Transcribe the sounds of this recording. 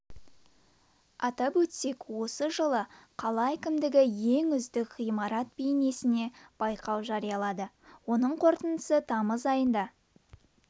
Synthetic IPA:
ɑt̪ɑpwɵt̪se̞kwo̞səʒəlˠəqʰɑlˠɑækʲɪmd̪ɪɡʲɪje̞ŋʏzd̪ɪkχijmɑɾɑt̪̚bejne̞sɪne̞b̥ɑjqɑwʒɑɾijɑlˠɑd̪ə | wo̞nəɴqʰo̞ɾt̪ənd̪əsət̪ʰɑməzɑjənd̪ɑ

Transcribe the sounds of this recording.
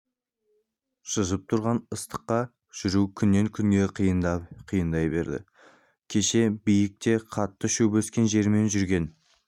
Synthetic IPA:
ʃəzəp̚t̪ʰʊɾʁɑnəst̪ə̥qːɑ | ʒ̥ʏɾukʲʰʏnːe̞ŋkʲʰʏŋɡʲe̞qjqʰijənd̪ɑjbe̞ɾd̪ɪ̰ | kʲʰe̞ʃe̞bijɪk̚t̪e̞qʰɑt̪ːəʃɵwbeskʲe̞nʒe̞ɾme̞nʒʏɾɡʲe̞n

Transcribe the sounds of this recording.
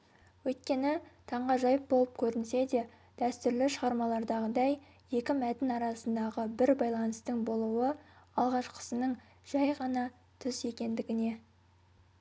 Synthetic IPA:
wɵjt̪̚kʲe̞nɪt̪ʰɑɴʁɑʒɑjəp̚bo̞lˠəp̚kʲʰɵɾɪnse̞d̪e̞ | d̪̥æst̪ʏɾlɪʃəʁɑɾmɑlˠɑɾd̪ɑʁəd̪ɑj | je̞kʲɪmæt̪ɪnɑɾɑsənd̪ɑʁəbɪɾbɑjlˠɑnəst̪əɴbo̞lˠuwəɑlˠʁɑʃqʰə̥sənəɴ | ʒ̥ɑjʁɑnɑ | t̪ʰʏze̞kʲe̞nd̪ɪɡʲɪne̞

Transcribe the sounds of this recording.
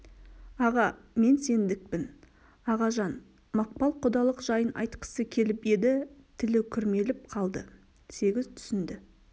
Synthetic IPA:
ɑʁɑme̞nse̞nd̪ɪk̚pɪn | ɑʁɑʒɑn | mɑq̚pɑlˠqʰod̪ɑlˠəqʒ̥ɑjənʔɑ̰jt̪qə̥səkʲʰe̞lɪpe̞d̪ɪt̪ʰɪlɪkʲʰʏɾme̞lɪp̚qʰɑlˠd̪ə | se̞ɡʲɪzt̪ʰʏ̥sɪnd̪ɪ

